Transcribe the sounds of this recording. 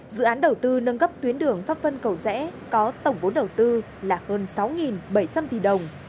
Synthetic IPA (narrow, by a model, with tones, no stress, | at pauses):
zɨ̰˧˨ʔaː˨˦nɗə˨˩wt̪ɨ˧nə˧nɣə˦˥p̚t̪wi˨˦ənɗɨ˨˩əŋfaː˦˥t̚fə˧nkə˨˩wzɛ̰˧˥kɔ˨˦t̪ə˧˩wŋ͡mɓo˨˦nɗə˨˩wt̪ɨ˧ | laː˨˩həː˧nsa˨˦wŋi˨˩nɓə˧˩jt͡ɕa˧mt̪i˨˩ɗə˨˩wŋ͡m